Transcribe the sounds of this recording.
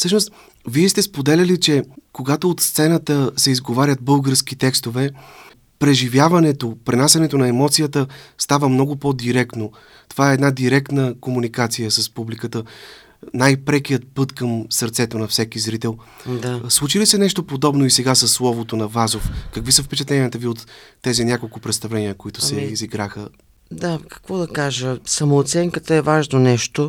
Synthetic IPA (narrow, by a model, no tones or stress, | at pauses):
fsɤʃnost̪ | viɛst̪ɛspod̪ɛlʲɐlit͡ʃɛkoɡat̪oːt̪st̪sɛnət̪əsɛizɡovaɾʲət̪̚bɤlˠɡəɾskit̪ɛkst̪ovɛ | pɾɛʒivjavɐnɛt̪opɾɛnasʲɐnɛt̪onɐɛmɔt̪sijət̪əst̪avəmnɔɡʊpod̪iɾɛkt̪no | t̪ovaɛɛd̪nad̪iɾɛk̚t̪nəkomunikat̪sijəsəspublikət̪ə | najpɾɛk̟ijət̪pɤt̪kəmsəɾt̪sɛt̪onɐfsɛkizɾit̪ɛlˠ | d̪aslˠut͡ʃilisɛnɛʃt̪opod̪ɔbnoisɛɡasɐsːlˠɔvot̪onɐvazofkɐkvisəfpɛt͡ʃɐt̪lɛnʲiət̪əviot̪ːɛzinʲjakolˠkʊpɾɛt̪st̪ɐvlɛnijəkoit̪ʊssɛiziɡɾaxə | d̪akɐ̥kvɔd̪ɐkaʒəsɐmoːt̪sɛŋkət̪əɛvaʒnonɛʃt̪o